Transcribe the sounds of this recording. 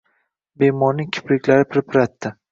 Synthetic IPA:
be̞mɒɾnɪŋkʲʰɪ̥pɾɪkʲlaɾɪpʰɪɾɪpʰɪɾat̪ːɪ

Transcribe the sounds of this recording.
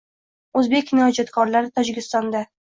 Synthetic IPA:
ɵzbe̞kʲnɒd͡ʒat̪kʰɒɾlaɾɪt̪ʰɒd͡ʒɪkʲɪst̪ɒnd̪a

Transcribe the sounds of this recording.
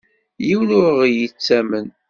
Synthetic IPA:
jiwnʊɾəʁjət͡sːæmən

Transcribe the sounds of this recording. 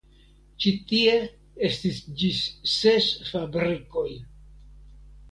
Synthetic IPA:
t͡ʃitie̞ | e̞stisd͡ʒisse̞sfabɾiko̞j

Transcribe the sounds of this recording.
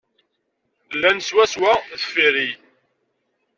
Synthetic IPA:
lːænəswæswæðə̥fiɾi

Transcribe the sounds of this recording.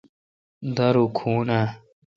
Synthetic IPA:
d̪ɐɾukʰuːna

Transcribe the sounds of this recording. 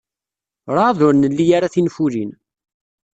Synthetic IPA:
ɾˤaðʊɾnəlːijaɾaθinfulin

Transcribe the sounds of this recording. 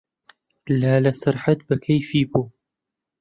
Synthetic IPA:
laːlɐsɨɾħat̪̚bɐkʰɐjfiːbuː

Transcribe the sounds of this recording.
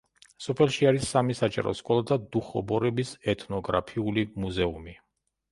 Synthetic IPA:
sɔpʰɛlˠʃiaɾisːamisat͡ʃʼɛ̰ɾɔ̰skʼɔlˠad̪ad̪uχɔbɔɾɛbisɛt̪ʰnɔɡɾa̰pʰiulimuzɛumi

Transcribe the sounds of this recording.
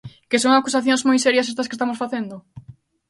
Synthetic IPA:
kɪsõŋakusaθjõŋzmojsɛɾjɐsest̪ɐske̥st̪amosfaθend̪ʊ

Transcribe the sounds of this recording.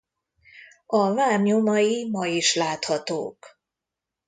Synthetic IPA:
ɒvaːmɲomɒjimɒjiʃlaːt̪hɒt̪o̰ːk

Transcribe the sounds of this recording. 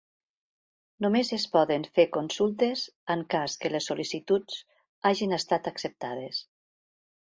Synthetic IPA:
numezespɔðənfeɾkonsulˠt̪ezəŋkaskəlesːulisit̪ut͡s | aʒinəst̪at̪əksəp̚t̪að̞es

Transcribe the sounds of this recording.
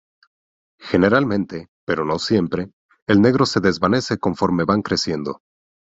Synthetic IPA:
xe̞ne̞ɾalmẽ̞nt̪e̞pe̞ɾo̞no̞sje̞mpɾe̞ː | lne̞ɣɾo̞se̞ðe̞zβane̞se̞ko̞ɱfo̞ɾme̞βaŋkɾe̞sje̞nd̪o̞̰

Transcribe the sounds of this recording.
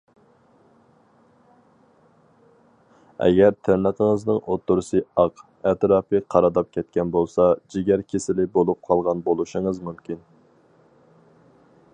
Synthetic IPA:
ɛ̰ɡʲɛɾt̪ʰɪɾnəqʰəŋəznɨŋʔot̪ʰːʊɾsɨɑq | ɛt̪ɾɑːpʰɨqʰɑɾɑd̪ɑp̚kʲʰɛt̪kʲɛnbolˠsɑd͡ʒiɡʲæɾkʲʰesɪlɪbolˠup̚qʰɑlˠʁɑnbolˠuʃɨŋəzmymkʲin

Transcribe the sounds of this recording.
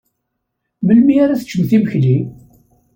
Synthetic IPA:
məlmiaɾaθət͡ʃːəmθiməçli

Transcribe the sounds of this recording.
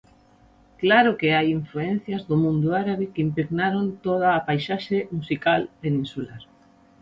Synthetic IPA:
klaɾʊkeajiɱfluen̟θjɐzðʊmũnd̪ʊaɾaβikimpɾeɣnaɾont̪oð̞aːpajʃaʃemusikalpenĩnsulaɾ

